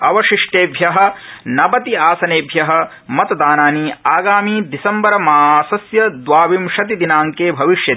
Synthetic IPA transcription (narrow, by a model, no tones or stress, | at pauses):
ɐʋɐʃiʂʈeːbʱjɐɦɐ̆nɐbɐt̪iaːsɐneːbʱjɐɦɐ̆ | mɐt̪ɐd̪aːnaːniaːɡaːmiːd̪isɐmbɐɾɐmaːsɐsjɐd̪ʋaːʋimʃɐt̪̬id̪inaːŋkeːbʱɐʋiʃjɐt̪ː